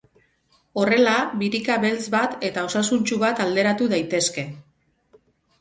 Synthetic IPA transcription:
o̞re̞laβiɾikaβe̞lt͡sbat̪e̞t̪ao̞sasunt͡ʃuβat̪ald̪e̞ɾat̪uðajt̪e̞ske̞

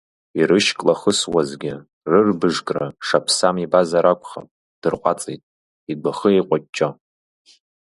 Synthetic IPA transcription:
irɨʃkʼlaχəswazɡʲɪ | rɨrbɨʐkʼra̰ʂapʰsamibazaɾakʷʰʼχa̰pʼ | d̥ɨrqʷʼat͡sʼejtʼ | iɡʷaχəejqʷʼat͡ʃːʼo

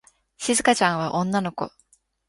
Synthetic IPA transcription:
ɕizɨkat͡ɕãɰ̃βaʔõ̞nːano̞ko̞̰

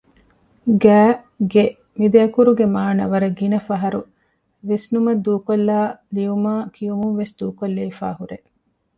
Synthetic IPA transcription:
ɡæː | ɡe | mid̪eɐkuɾuɡemaːnɐʋɐɾɐɡinɐfɐɦɐɾu | ʋesnumɐd̪uːkolːaːlijumaːkʰijumuŋʋesd̪uːkolːeifa̰ːɦuɾe

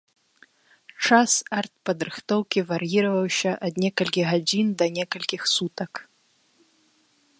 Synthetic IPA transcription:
t͡ʂasart̪̚pɐd̪ɾɨxt̪ɔwkʲivɐɾjiɾɐvɐwɕɐʔɐd̪nʲɛkɐlʲkʲiɣɐd͡zʲind̪ɐnʲɛkɐlʲkʲixsut̪ɐk

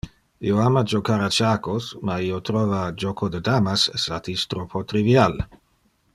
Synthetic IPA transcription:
ḭoamad͡ʒokaɾat͡ʃaːkosmaiot̪ɾoːvad͡ʒokʰod̪ed̪aːmasesat̪ist̪ɾopʰot̪ɾivjal

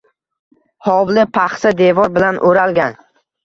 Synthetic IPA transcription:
hɒwlɪpʰaχsad̪evɒɾbɪlanʔoɾalɡʲan

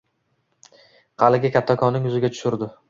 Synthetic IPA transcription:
qʰɑlɪɡʲɪkʲʰat̪ʰːɒkʰɒnːɪŋʊzɪɡʲat̪ʰʊ̥ʃʊɾd̪ɪ

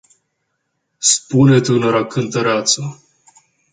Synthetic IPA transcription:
spunet̪ʲɨnoɾakʰɨnt̪əɾeat̪sa

